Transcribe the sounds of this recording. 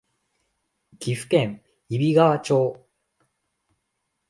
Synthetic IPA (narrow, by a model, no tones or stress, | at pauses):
kʲiɸɯ̟̥kẽ̞ŋ | ibʲiɡaβat͡ɕo̞ː